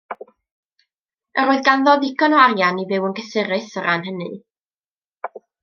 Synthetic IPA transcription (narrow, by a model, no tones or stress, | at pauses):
əɾoːɨðɡanðɔðɪkʰɔnwaɾjanivɪwənkəsɪɾɨθəɾanɦənɨ